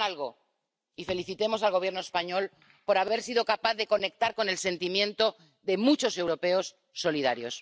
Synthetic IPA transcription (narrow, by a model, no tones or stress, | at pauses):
alɣo | ife̞liθit̪e̞mo̞salɣo̞βjeɾnoespaɲo̞l | po̞ɾaβe̞ɾsiðo̞kapaθðe̞ko̞ne̞k̚t̪aɾko̞ne̞lse̞nt̪imjẽ̞nt̪o̞ | ðe̞mut͡ʃo̞se̞wɾo̞pe̞osː | o̞liðaɾjo̞̰s